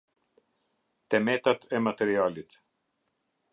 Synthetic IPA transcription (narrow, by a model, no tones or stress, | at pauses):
t̪ɛmɛt̪at̪ɛmat̪ɛɾialit̪